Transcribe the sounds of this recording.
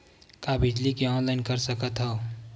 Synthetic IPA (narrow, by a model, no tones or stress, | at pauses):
kabʱɪd͡ʒlikiɔːnlaɪnkɐɾsəkət̪ɦɛo